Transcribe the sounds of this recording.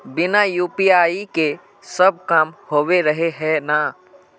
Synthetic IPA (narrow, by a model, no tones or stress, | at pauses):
bɪnajuːpiaːike | səb̚kaːmhoːweɾəɦeɦɛna